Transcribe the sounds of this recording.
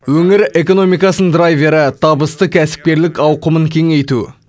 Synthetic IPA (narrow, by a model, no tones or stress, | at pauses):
wɵŋɪɾe̞ko̞no̞mijkɑsənd̪ɾajve̞ɾət̪ʰɑbəst̪əkʲʰæsɪ̥p̚kʲe̞ɾlɪkɑwqəməŋkʲʰe̞ŋe̞jt̪u